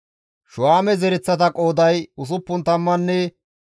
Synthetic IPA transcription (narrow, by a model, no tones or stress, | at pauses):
ʃʊaːmɛzɛɾɛt͡sːɐt̪ɐkʼo̞ːd̪ɐjʊs̬ʊpːʊnt̪ɐmːɐnːɛ